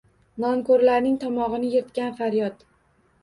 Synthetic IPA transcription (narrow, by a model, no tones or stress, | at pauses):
nɒmkɵɾlaɾnɪŋt̪ʰɒmɒʁɨnɪjeɾt̪kʲanfaɾjɒt̪